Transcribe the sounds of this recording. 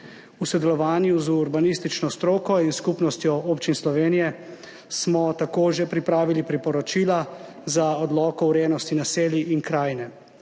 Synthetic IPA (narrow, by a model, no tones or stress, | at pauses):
usɔd̪ɛlɔʋaːnjuzuɾbanist̪it͡ʃnɔst̪ɾoːkɔinskupnɔst̪jɔoːpt͡ʃinslɔʋeːnijɛ | smɔt̪akoːʒepɾipɾaːʋilipɾipɔɾɔt͡ʃiːla | zaɔd̪lɔːkɔwɾenɔst̪inaseːljiʔinkɾaːjnɛ